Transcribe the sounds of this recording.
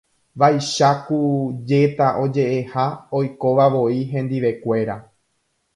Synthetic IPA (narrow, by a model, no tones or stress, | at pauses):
ʋajʃakud͡ʒe̞t̪aʔo̞d͡ʒe̞ʔehao̞jko̞ʋaʋo̞iɦẽ̞nd̪iʋe̞kʷe̞ɾa